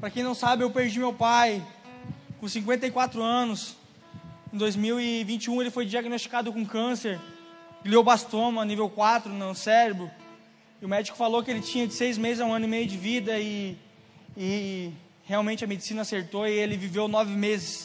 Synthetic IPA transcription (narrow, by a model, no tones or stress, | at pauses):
pɾɐkẽj̃nɐ̃w̃sabɪewpeɾd͡ʒimewpaj | kõsĩŋkwẽnt̪ɐjkwat̪ɾʊɐ̃nʊs | ẽd̪ojzmiwɪvĩt͡ʃiũelɪfojd͡ʒiaɡnost͡ʃi̥kad̪ʊkõkɐ̃seɾɡliowbast̪õmɐnivewkwat̪ɾʊnɐsɛɾebɾʊ | ɪʊmɛd͡ʒɪikʊ̥falowkɪelɪd͡ʒt͡ʃĩɲɐd͡ʒɪsejzmezɪzãũɐ̃nʊɪmejʊd͡ʒɪvid̪ɐɪː | heawmẽnt͡ʃɪɐmed͡ʒɪsĩnɐaseɾt̪oɪelɪvivewnɔvɪmezɪs